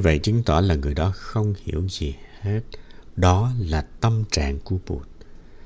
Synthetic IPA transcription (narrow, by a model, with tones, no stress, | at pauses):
ɲɨ˧və̰˧˨jt͡ɕï˨˦ŋ̟t̪wa˧˩laː˨˩ŋɨ˨˩əjɗɔ˨˦xə˧wŋ͡mhḭ˧˩˨əwzi˨˩he˦˥t̚ɗɔ˨˦laː˨˩t̪ə˧mt͡ɕa̰ː˧˨ŋku˧˩əpṵ˨˩t̚